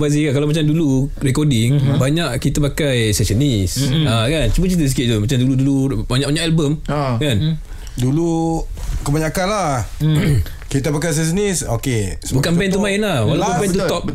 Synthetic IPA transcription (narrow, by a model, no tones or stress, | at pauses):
bazikankalamat͡ʃamdulurɛkɔdiŋbaɲaʔkit̪apakajsɛsənisakant͡ʃumət͡ʃit̪əs̬ikɪt̪̚t̪umat͡ʃamduludulubaɲaʔbaɲaʔɛlbəmkan | dulu | kəbaɲakanla | kit̪apakajs̬ɛsənisokesbukanbɛnt̪̬umainlahwalapubɛnt̪uɔp̚